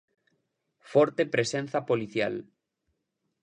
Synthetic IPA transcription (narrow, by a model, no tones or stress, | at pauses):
fɔɾt̪epɾesenθapoliθja̰l